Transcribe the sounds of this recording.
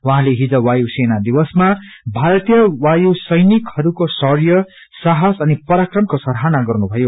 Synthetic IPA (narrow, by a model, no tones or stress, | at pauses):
waɦãleɦid͡zʌwajusenad̪ibʌsmabʱaɾʌt̪jʌwajusʌjnikhʌɾukosʌrjʌ | sʌɦasʌnipʌɾakrʌmkosʌɾɦanaɡʌrnubʱʌjo